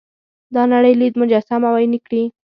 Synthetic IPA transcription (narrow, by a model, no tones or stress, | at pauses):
d̪ɑnaɽəjlid̪mʊd͡ʒasamawajnikɽi